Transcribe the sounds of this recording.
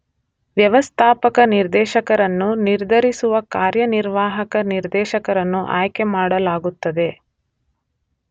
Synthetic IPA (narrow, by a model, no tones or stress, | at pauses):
ʋjɐʋɐst̪ʰaːpɐkɐniɾd̪ɛːʃɐkɐɾɐnːuniɾd̪ʱɐɾisuʋɐkaːɾjɐniɾʋaːɦɐkɐniɾd̪ɛːʃɐkɐɾɐnːuʔa̰ːjkemaːɽɐlaːɡut̪ːɐd̪e̞